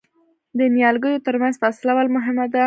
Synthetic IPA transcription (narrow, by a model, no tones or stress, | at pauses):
d̪ənjɑlɡəjot̪əɾmanzfaslawɑlmʊɦɪmad̪a